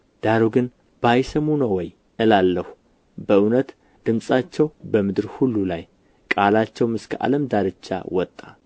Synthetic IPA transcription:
d̪̥aɾoɡɨn | b̥ajsəmunəwːɔj | ʔɨlalːəhu̥ | bəɨwnət̪ | d̪̥ɨmsʼat͡ʃːɛwbəmɨd̪ɨɾhulːulaj | kʼalat͡ʃːɛwmɨskʰʔa̰ləmd̪aɾɨt͡ʃːa̰wɔt̪ʼːa

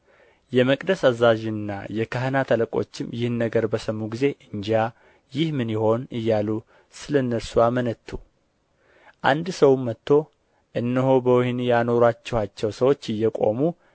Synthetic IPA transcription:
jɛməkʼd̪əsazːaʒnːa̰jɛkʰəhnat̪ʰələkʼo̞̰t͡ʃːɪmjɪhnːəɡəɾbəsəmːuɡize̞ʔɨɲd͡ʒa | jɪhmɨnjɪho̞nɨjːalu | sɨləɨnːəɾsuamənət̪ʰːu | ʔand̪səwmːət̪ːo̞ | ʔɨnːəhobəwhnjano̞ɾat͡ʃːɛhat͡ʃːɛwsəwo̞t͡ʃːɨjːɛkʼo̞̰mu

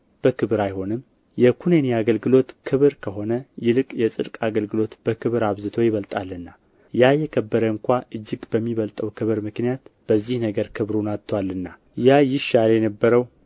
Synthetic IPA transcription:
b̥əkʰɨβɨɾajho̞nɨm | jɛkʰuneneaɡəlɡɨlo̞t̪kʰɨβɨɾkʰəɦo̞nəjɪlɨkʼjɛsʼɨ̰d̪kʼaɡəlɡɨlo̞t̪b̥əkʰɨβɨɾaβzɨt̪ʰo̞jɪβəlt̪ʼalːɨnːa | jajɛkʰəbːəɾəŋkʷaʔɨd͡ʒːɪɡbəmːiβəlt̪ʼəwkʰɨβɨɾmɨknijat̪b̥əzːihnəɡəɾkʰɨβɾunat̪ʰːwalːɨnːa | jajɪʃːaljɛnəbːəɾəw

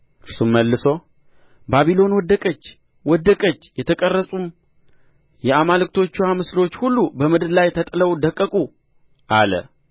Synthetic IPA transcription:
kʰɨɾsumːəlːɨso̞ | baβilo̞nwɔd̪əkʼət͡ʃː | wɔd̪ːəkʼət͡ʃːjɛt̪ʰəkʼərːəsʼum | jɛamalɨk̚ʼt̪ʰo̞t͡ʃːuwamɨslo̞t͡ʃːhulːubəmɨd̪ɨd̪lajt̪ʰət̪ʼɨləwd̪əkʼːəkʼu | ʔalə̰

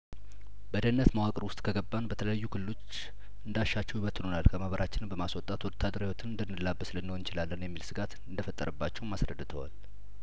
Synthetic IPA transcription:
bəd̪ənːət̪mawakʼəɾwʊst̪ʼkʰəɡəbːanbət̪ʰələjajːukʰɨlɨlo̞t͡ʃː | ʔɨnd̪aʃːat͡ʃːɛwiwət̪ːɨnonalkʰəmahβəɾʔat͡ʃːɪnɨmbəmaswɔt̪ʼat̪wɔt̪ʰːad̪əɾawot̪ʰɨnɨnd̪ənːɨlːabːəslənːəhont͡ʃɪlalːənjɛmːilsɨɡat̪ɨnd̪əfət̪ʼːə̰ɾəbːat͡ʃːɛwmasɾə̰d̪ːɨt̪ʰəwa̰l

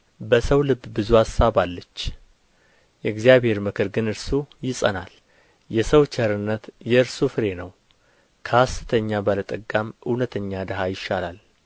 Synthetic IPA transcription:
bəsəwlɨbːbɨzuasːaβalːət͡ʃː | jɛɡzijaβhe̞ɾmɨkʰɨɾɡɨnɨɾsujɪsʼə̰na̰l | jɛsəwt͡ʃʰəɾɨnːət̪jɛɨɾsufɨɾe̞nəw | kʰəastɨt̪ʰəɲːabalət̪ʼəɡːamʔɨwnət̪ʰəɲːad̪əɦajɪʃːalal

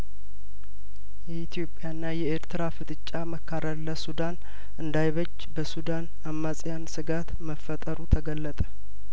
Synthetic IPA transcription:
jɛit̪ʰjo̞pʼjanːajɛeɾt̪ʰɨɾafɨt̪ʼɨt͡ʃʼːaməkʰːaɾəlːəsud̪an | ɨnd̪ajβəd͡ʒːbəsud̪an | amːasʼjansɨɡat̪məfːət̪ʼəɾut̪ʰəɡəlːət̪ʼə̥

